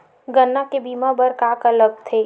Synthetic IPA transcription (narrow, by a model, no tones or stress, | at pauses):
ɡənːakebiːmabəɾkaːkələɡ̚t̪ʰeː